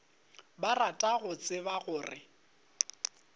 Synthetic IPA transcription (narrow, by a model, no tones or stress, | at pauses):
baratʼaɣʊt͡sʼɪbaɣʊːrɪ̰